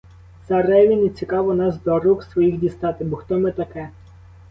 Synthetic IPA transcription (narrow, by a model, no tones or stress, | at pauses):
sɐrɛʋʲinit͡sʲikɑʋɔnɑsd̪ɔruksʋɔjixdʲist̪ɑt̪ɪbɔxt̪ɔmɪt̪ɐkɛ